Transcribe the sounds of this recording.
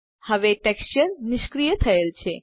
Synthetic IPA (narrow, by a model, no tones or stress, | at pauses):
həʋeʈɛkst͡ʃəɾnɪʃkɾijət̪ʰəelt͡ɕʰe